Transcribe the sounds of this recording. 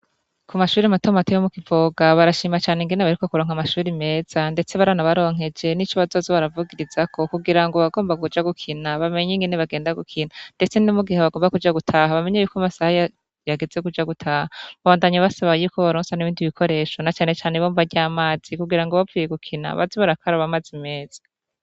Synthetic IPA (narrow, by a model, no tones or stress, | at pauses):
kumaʃuːɾimatomatijomukivo̞ːɡaβaɾaʃiːmat͡ʃaːneŋɡeneβaɾiko̞kuɾo̞ːŋhamaʃuːɾime̞ːz̥ande̞t͡se̞βaɾanaβaɾo̞ːŋ̥e̞d͡ʒe̞nit͡ʃoβazozoβaɾavuɡiɾiz̥akʰo̞kuɡiɾaŋɡo̞βaɡo̞ːmbaɡud͡ʒaɡukʰinaβame̞ɲeŋɡeneβaɡe̞ːndaɡukʰinande̞t͡se̞numuɡiheβaɡoːmbakud͡ʒaɡutʰaːɦaβame̞ɲejukamasahaja | jaɡeze̞kud͡ʒaɡutʰaːhaaβaβaːndaɲaβasaβajuːkoβaɾoːnsaniβiːndiβikʰo̞ɾe̞ːʃo̞nat͡ʃaːne̞t͡ʃaːneβoːɱvaɟaːmaːz̥ikuɡiɾaŋɡoβavijeɡukʰina̰βa̰ziβaɾakaɾaβamaːzime̞ːz̥ḁ